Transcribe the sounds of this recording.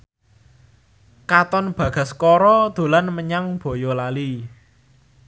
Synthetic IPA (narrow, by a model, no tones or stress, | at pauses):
kat̪ɔnb̥ä̤ɡ̥a̤skɔɾɔd̪̥o̤lanməɲaŋb̥o̤jɔlali